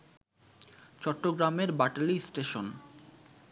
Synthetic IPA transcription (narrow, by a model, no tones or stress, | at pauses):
t͡ɕɔʈːoɡɾameɾbaʈlisʈeʃon